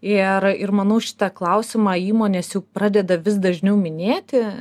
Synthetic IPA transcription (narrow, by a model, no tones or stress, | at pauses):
ɪrɪrmɐnɐʊʃʲɪ̥t̪ɑklˠɐʊsʲɪmɑːiːmoːnʲeːsjɛʊpɾɑːd̪ʲɛd̪ɐʋʲɪs̬d̪ɐʒʲnʲɛʊmʲɪnʲeːt̪ʲɪ